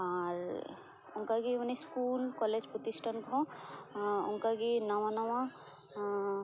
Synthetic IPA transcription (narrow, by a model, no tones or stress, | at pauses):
aɾ | ʊŋkaɡimaneskulkɔled͡ʒpɾɔt̪isʈʰankɔ̃ | ʊ̰ŋkaɡinawanawã